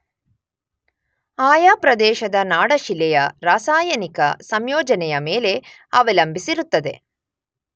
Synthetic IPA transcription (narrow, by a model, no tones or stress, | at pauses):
aːjaːpɾɐd̪ɛːʃɐd̪ɐnaːɽɐʃilːɛjɐɾaːsaːjɐnikɐ̰sɐmjoːd͡ʒɐnɛjɐmeːle̞ | ɐʋɐlɐmbʱisiɾut̪ːɐd̪e̞̰